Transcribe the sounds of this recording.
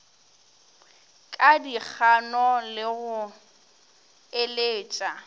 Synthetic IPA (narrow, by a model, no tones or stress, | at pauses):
kʼadik͡xʰanɔlɪɣʊ | eleːt͡ʃʼa